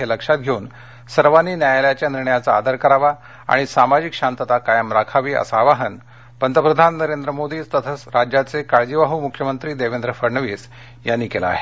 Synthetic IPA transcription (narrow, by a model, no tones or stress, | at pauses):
eləkʂat̪̚ɡʱeun | səɾʋanːiːnjajaljat͡ɕjaniɾɳəjat͡saːd̪əɾkəɾaʋa | a̰ɽ̃isamad͡ʑikɕant̪ət̪akajəmɾakʰaʋiːə̰saʋaɦən | pənd̪ʱəpɾəd̪ʱanːəɾend̪ɾəmod̪iːt͡st̪ət̪ʰət͡sɾad͡ʑjat͡sekaɭd͡ʑiʋaɦumukʰːjəmənt̪ɾiːd̪eʋend̪ɾəfəɾɳəʋiːs | janːiːkela̰ːɦe